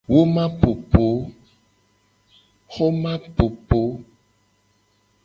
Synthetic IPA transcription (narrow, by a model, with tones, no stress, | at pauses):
wo˦mã˦po˨po˨˦ | xo˦mã˦po˨po˨˦